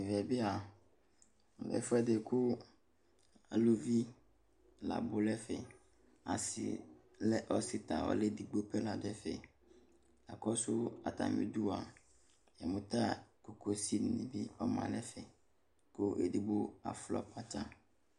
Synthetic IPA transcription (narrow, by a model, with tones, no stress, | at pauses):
vɛ˨bɪ˦a˨ | bɛ̰˨˦fʊ˦ɛ˦de˨kʰʊ˦ | a˨lo˨vi˦ | la̰˨bʊ˨lɛ˦fɛ˨ | a̰˨sɪ̰˨ | lɛ˦ʔɔ˦si˦t̪a˨wɔ̰˦le˦di˨ɡ͡bo˦pɛ˦la˨dɛ˦fɛ̰˨ | a˨kɔ˦sʊ˦a˨t̪a̰˨mḭ̃˦du˦a˨ | jɛ˨mʊ̃˨t̪a˦ko˨ko˨si˦n˨nḭ̃˨bi˦ɔ˦mã̰˨lɛ˦fɛ˨ | ko˦ʔḛ˨di˨ɡ͡bo˦a̰˨flɔ̰˦pa˦t͡ʃa˦